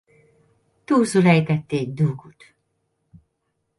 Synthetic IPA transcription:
t̪uːsulɛjt̪ɛt̪ːeːd̪uːɡut̪

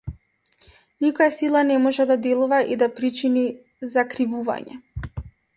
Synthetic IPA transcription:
nikɔjasilˠanɛmɔʒɛd̪ad̪ɛlˠuvaʔid̪apɾit͡ʃini | zakɾivuva̰ɲɛ̰

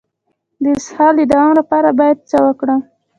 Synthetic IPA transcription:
d̪əɪshɑld̪əd̪awɑmlapɑɾabɑjad̪̚t͡səwəkɽə

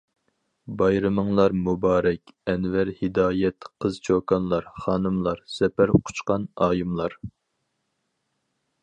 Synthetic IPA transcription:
bɑjɾɨmɨŋlˠɑɾmubɑːɾɛkʲɛnvæɾhɨd̪ɑːjɛt̪qʰəz̥t͡ʃʰokɑnlˠɑɾχɑːnɨmlˠɑɾsɛpæɾqʰʊ̥t͡ʃqɑnɑːjumlˠɑɾ

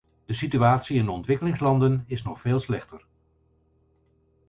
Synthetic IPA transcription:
d̥əsityaːtsiɪndəɔntʋɪkəlɪŋslɑndənɪsnɔχfeːlˠslɛχtəɹ

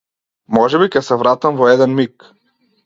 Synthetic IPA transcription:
mɔʒɛbicʲɛsɛvɾat̪amvɔɛd̪ɛnmik

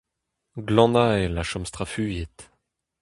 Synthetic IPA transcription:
ɡlɑ̃naelaʃɔmst̪ʁafyjet̪

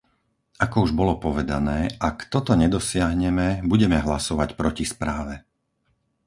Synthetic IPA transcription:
akɔuʒbɔlɔpɔʋɛd̪anɛːʔakt̪ɔt̪ɔɲɛd̪ɔsɪaɦɲɛmɛbuɟɛmɛɦlasɔʋacpɾɔcispɾaːʋɛ

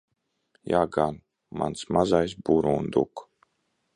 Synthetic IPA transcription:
jaːɡan | ma̰nsmazajsbuɾuːnd̪ṵk

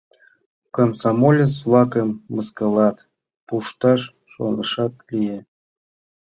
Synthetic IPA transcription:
komsɑmolʲet͡svlˠɑkəmːəskəlɑt̪ | puʃt̪ɑʃ | ʃo̰nəʃɑt̪lije

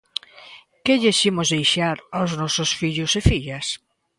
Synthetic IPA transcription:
keʎeʃimʊzðejʃaɾawznɔsosfiʎʊsefiʎas

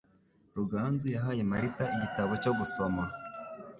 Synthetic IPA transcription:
ɾuɡaːnzujaɦaːje̞maɾitaiɟitaβo̞co̞ɡuso̞ma

